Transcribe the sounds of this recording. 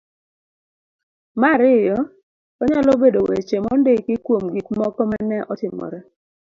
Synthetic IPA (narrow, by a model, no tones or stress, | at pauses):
maɾɪjɔ | ɔɲalɔbedowḛt͡ʃemɔndekɪkwomɡɪkmɔkɔmanɛʔɔtɪmɔ̰ɾɛ